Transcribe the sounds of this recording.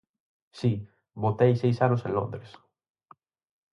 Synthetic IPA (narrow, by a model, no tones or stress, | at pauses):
si | bot̪ejsejsanʊsẽnlõnd̪ɾes